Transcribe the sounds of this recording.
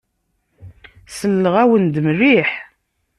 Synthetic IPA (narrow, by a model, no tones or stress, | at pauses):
səlːəʁæwənd̪mriħ